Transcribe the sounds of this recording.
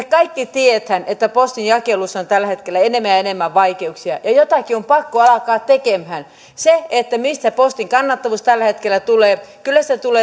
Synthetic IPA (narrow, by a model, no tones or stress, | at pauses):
kɑikːit̪iet̪hænet̪ːæpost̪injɑkelusːont̪ælːæhet̪kelːæenemːæjɑenemːæʋʋɑikeuksiɑjɑjot̪ɑkiompɑkːoɑlɑkɑːt̪t̪ːekemhæn | seet̪ːæmist̪æpost̪iŋkɑnːɑt̪ːɑʋuːst̪ælːæhet̪kelːˑæt̪uleːkylːæstet̪uleː